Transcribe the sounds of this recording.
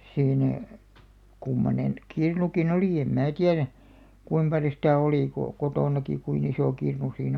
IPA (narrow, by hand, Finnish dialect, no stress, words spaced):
siːnæ kumːonen kirnukin oliˑ em mæː tiæræ kuim pɑljo sitæˑ oliˑ ko kotoˑnɑki kuin isoˑ kirnu siːnæ